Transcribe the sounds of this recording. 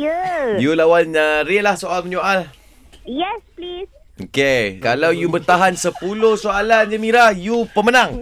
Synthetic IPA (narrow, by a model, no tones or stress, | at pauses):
əjulawanəɾilahsoalməɲuʔal | jɛsplis | okekalawjubərt̪aɦansəpulohsoaland͡ʒəmiɾahjupəmənãŋ